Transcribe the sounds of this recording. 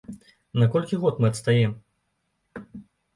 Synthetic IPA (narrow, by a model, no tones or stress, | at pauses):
nakɔlʲkʲiɣɔt̪mɨɐt̪st̪ajɛm